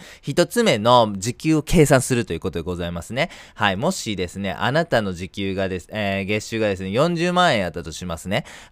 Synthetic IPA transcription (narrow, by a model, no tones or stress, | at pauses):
çit̪o̞t͡sɨme̞no̞d͡ʑikʲɨːo̞kʰe̞ːsãɰ̃sɨɾɯ̟t̪o̞jiɯ̟ːko̞t̪o̞d̪eɡo̞zaimasɨne̞haimo̞ɕid̪e̞sɨne̞̰ʔa̰nat̪ano̞ʑikʲɨːɡad̪e̞seɡe̞ɕɨːɡad̪e̞sɨne̞jõ̞ɲ̟d͡ʑɨːmãɰ̃ẽjat̪ːat̪o̞ɕimasɨne̞